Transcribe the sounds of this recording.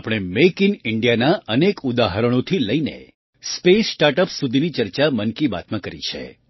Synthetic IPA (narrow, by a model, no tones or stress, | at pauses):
apəɽ̃emekɪnɪɳɖijanaʔənekud̪aɦəɾəɽ̃õt̪ʰiləinḛ | spesʈaɾʈəpsud̪ʱinit͡ʃəɾt͡ʃamənkiba̰t̪mãkəɾḭt͡ʃʰḛ